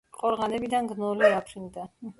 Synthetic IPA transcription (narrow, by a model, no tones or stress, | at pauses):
qʼɔɾʁanɛbid̪anɡnɔliapʰɾind̪a